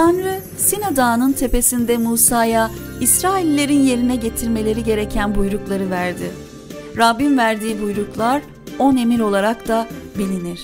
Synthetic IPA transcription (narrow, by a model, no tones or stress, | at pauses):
t̪ʰanɾɯ | sinad̪aːnɯnt̪ʰe̞pe̞sind̪ɛmuːsaːja | isɾaːilʲːe̞ɾinje̞ɾinɛɟe̞t̪ʰiɾme̞lʲe̞ɾiɟe̞ɾe̞cʰænbujɾuklˠaɾɯvæɾd̪ɪ | ɾabːinvæɾd̪iːbujɾuklˠaɾ | o̞ne̞miɾo̞lˠaɾakt̪abilʲiniɾ̥